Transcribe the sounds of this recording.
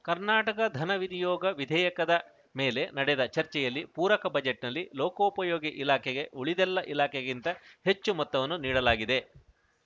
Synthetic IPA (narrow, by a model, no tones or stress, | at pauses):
kɐɾnaːʈɐkɐd̪ʱɐnɐʋid̪ijɔːɡɐʋid̪ʱɛːjɐkɐd̪ɐ | meːle̞nɐɽɛd̪ɐt͡ʃɐɾt͡ʃɛjɐlːipuːɾɐkɐbɐd͡ʒeʈnɐlːiloːkɐupɐjoːɡiʔilaːkʰɛɡe̞ʔuɭid̪ɛlːɐʔilaːkʰeɡint̪ɐhe̞t͡ʃːumɔt̪ːɐʋɐnːuniːɽɐlaːɡid̪e̞